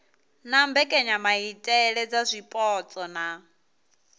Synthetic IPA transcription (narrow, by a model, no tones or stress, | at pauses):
nambɛkʼɛɲamaitʼɛɺɛd͡zazʷipʼɔt͡sʼɔna